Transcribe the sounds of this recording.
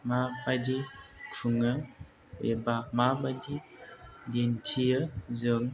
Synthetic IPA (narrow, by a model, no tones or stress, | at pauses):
mabadikuŋə | wḛbamabadidintʰiəzəŋ